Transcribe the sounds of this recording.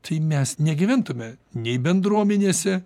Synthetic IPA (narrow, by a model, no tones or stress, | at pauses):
t̪ʰɐɪmʲɛsnʲɛɡʲɪʋʲænt̪ʊmʲɛnʲɛɪbʲɛnd̪ɾuɔmʲɛnʲeːsʲɛ